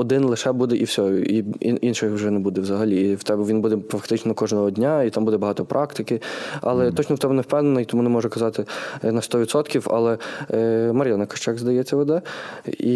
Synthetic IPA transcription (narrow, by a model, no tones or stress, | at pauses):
ɔd̪ɪnlˠɪʃɛbud̪ɛʔiwsʲɔʊḭinʃɪxwʒɛnɛbud̪ɛwzɐɦɐlʲiːwt̪ɛbʋʲinbud̪ɛfɐkt̪ɪt͡ʃnɔkɔʒnɔɦɔdʲnʲait̪ambud̪ɛbɐɦɑt̪ɔpɾʔɑkt̪ɪkɪɑ̰lˠɛt̪ɔt͡ʃnɔwt̪ɛbʊnɛwpɛwnenɐit̪ɔmunɛmɔʒɛkɐzɑt̪ɪnɐst̪ɔʋʲid̪sɔt̪kʲiwɐ̰lˠɛ | mɐɾʲjanɐkɐ̥t͡ʃɛɡzd̪ɐjɛt͡sʲːɐʋɔd̪ɛi